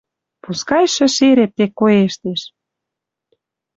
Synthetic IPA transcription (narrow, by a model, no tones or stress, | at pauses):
puskɑjʃə̆ʃeɾep̚t̪ekːoeʃt̪eʃ